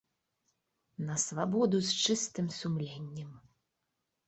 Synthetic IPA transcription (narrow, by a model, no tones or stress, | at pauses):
nɐsvabɔd̪ust͡ʂɨst̪ɨmsumlʲenʲːɛm